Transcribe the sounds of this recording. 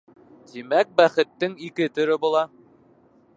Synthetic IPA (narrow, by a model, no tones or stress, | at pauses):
t̪imæk̚bæχɘ̆t̪ːɘŋikɘt̪ɵ̆ɾɘbulˠɑ